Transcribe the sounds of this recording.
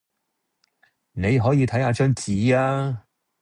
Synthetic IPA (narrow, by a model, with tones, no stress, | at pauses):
ne˨˧jɦɔː˨˥jiː˨˧t̪ʰɐ˨˥jhaː˧t͡ʃœː˥ŋt͡siː˨˥aː˧